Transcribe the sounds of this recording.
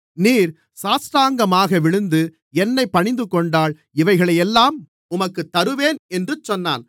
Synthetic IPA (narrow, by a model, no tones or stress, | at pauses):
niːɾ | saːsɾaːŋɡɐmaːɣɐʋɪɻɯnd̪ɯ | ɛnːɐɪpːɐɳɪnd̪ɯkːɔɳɖaːɭ | ɪʋɐɪɣɐɭɐjɛlːaːm | ʊmɐkːɯt̪ːɐɾɯʋeːnɛndrɯt͡ʃːɔnːa̰ːn